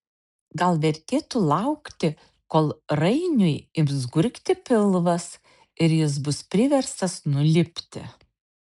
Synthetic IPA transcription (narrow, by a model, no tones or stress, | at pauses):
ɡɐlˠʋʲɛɾʲt̪ʲeːt̪ulˠɐʊkt̪ʲɪ | koːlˠɾɐɪnʲʊjɪbzɡʊɾʲkt̪ʲɪpʲɪlˠʋɐs | ɪɾjɪs̬bʊspʲɾʲɪʋʲɛɾst̪ɐsnʊlʲɪpʲt̪ʲɪ̰